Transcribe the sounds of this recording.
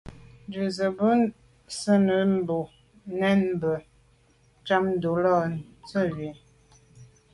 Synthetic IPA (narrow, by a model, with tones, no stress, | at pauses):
nd͡ʒə˨zə˨bə˦ | sə˦nə˨˦m˦bo˨ | nɛ˦nmbə˨ | t͡ʃa˦mn˦do˨˦lɔ˦˨t͡sə˦ɥi˨